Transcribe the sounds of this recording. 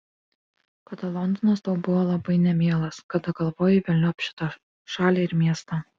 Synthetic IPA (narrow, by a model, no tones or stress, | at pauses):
kɐd̪ɐlˠɔnd̪ɔnɐst̪ɐʊbʊʋoːlˠɐbɐɪnʲɛmʲeːlˠɐskɐd̪ɐɡɐlˠʋoːjɛʋʲɛlʲnʲʊɐpʲʃʲɪ̥t̪oː | ʃɑːlʲeːɪɾmʲiɛst̪ɑ